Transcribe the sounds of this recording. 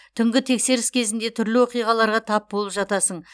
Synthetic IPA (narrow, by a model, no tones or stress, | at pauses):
t̪ʰʏŋɡʲɪt̪ʰe̞kse̞ɾɪskʲʰe̞zɪnd̪e̞t̪ʰʏɾlɪwo̞qijʁɑlˠɑɾʁɑt̪ʰɑp̚bo̞lˠəpʒɑt̪ɑsəɴ